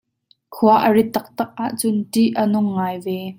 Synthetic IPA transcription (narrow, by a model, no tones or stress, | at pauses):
kʰuɐʔəɹit̪ːɐk̚t̪ɐk̚ʔaːʔt͡sʊnt̪iʔənʊŋːaːjvɛ